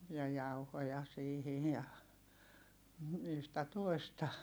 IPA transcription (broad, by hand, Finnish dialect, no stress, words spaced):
jɑ jɑuhojɑ siːhij jɑ yhtæ toi̯stɑ